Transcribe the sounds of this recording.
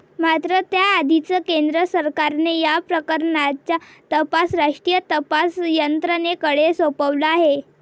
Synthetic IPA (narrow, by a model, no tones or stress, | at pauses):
mat̪ɾət̪jaːd̪ʱit͡səkend̪ɾəsəɾkaɾnejapɾəkəɾɳat͡ɕja | t̪əpasɾaʂʈɾijət̪əpasjənt̪ɾənekəɽesopəʋləaɦe